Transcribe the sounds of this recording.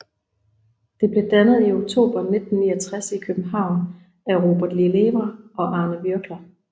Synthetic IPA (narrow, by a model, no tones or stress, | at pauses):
d̥e̝b̥le̝d̥ænəð̩ˠio̝ɡ̥̚t͡sʰo̝̰ːb̥ɐne̝d̥n̩ːḭːɐt͡sʰʁasikʰøb̥m̩ɦɑ̈ʊ̰n | æʁo̝ːb̥ɐd̥lile̝ʋɐɒ̽ʔɑ̈ːnəbyɐɡ̥lɐ